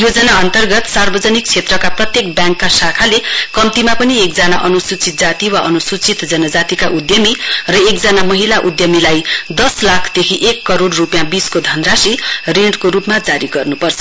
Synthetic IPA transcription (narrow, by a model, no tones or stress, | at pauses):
jod͡zʌnaʌnt̪ʌrɡʌt̪sarbʌd͡zʌnik̚t͡sʰet̪rʌkaprʌt̪jek̚bjãŋkːasakʰalekʌmt̪imapʌniekd͡zanaʔʌnusut͡sit̪̚d͡zat̪iwaʔʌnusut͡sit̪d͡zʌnʌd͡zat̪ikaʔud̪jʌmirʌekd͡zʌnamʌɦilaʔud̪jʌmilajd̪ʌslakʰd̪ekʰiʔekːʌɾoɽrupjãbiskod̪ʱʌnrasireɳɖkoɾupmad͡zaɾiɡʌrnupʌrt͡sʰʌ